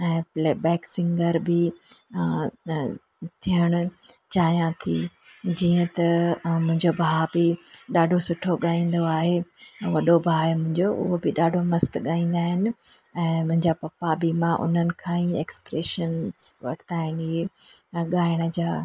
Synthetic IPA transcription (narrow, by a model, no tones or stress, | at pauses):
ɛ̃ːpleːbɛːksɪ̃ŋɡəɾbɪ | t̪ʰijəɽ̃ʊ̆t͡ɕaːijãt̪ʰḭd͡ʑiːə̃t̪ɐmʊ̃ɦɪ̃ɲd͡ʑobʱaːbɪɗaːɖʱosʊʈʰoɠaːĩːn̆d̪oaːɦeʋɐɗobʱaːɪmʊ̃ɦɪ̃ɲd͡ʑoʔʊ̰ɦobɪɗaːɖʱomɐst̪ɠaːĩːn̆d̪aːɦɪnɪ̆ɛ̃ːmʊ̃ɦɪ̃ɲd͡ʑapɐpabɪmãʔʊ̰n̤ənɪ̆kʰãːĩekspɾeːʃənzʋɐ̰ʈʰɪ̥t̪ʰaːɪnieɠaːɪɽ̃ə̆d͡ʑaː